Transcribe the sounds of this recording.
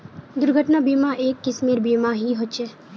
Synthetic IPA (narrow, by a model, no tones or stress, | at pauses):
d̪ʊɾɡʱəʈnabiːmaʔeːkːɪsmeːɾbiːmaɦiɦot͡ʃeː